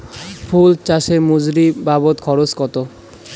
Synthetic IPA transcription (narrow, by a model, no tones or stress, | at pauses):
pʰult͡ɕaʃemud͡ʑɾibabot̪kʰɔɾoskɔt̪o